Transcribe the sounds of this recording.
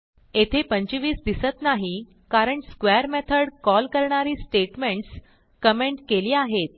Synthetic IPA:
et̪ʰepəɲt͡ɕiʋiːsd̪isət̪naɦi | kaɾəɳskʋɛəɾmɛt̪ʰəɽkɔlkəɾɳaɾiːsʈeʈmeɳʈs | kəmeɳʈkeliːaɦet̪̚

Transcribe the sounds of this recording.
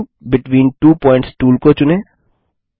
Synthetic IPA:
bɪʈʋĩːnʈuːpɔ̃ːɪ̃ɳʈsʈuːlkot͡ʃʊnẽː

